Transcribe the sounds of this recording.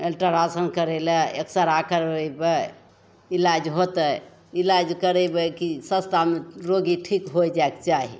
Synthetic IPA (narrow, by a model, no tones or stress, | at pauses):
elʈəɾasənkəɾelɛeksəɾakəɾɛbə | ilad͡ʒɦot̪ə | ilad͡ʒkəɾɛbəkisə̃st̪ʰameɾoɡiʈʰikɦojd͡ʒaekt͡ʃaɦḭ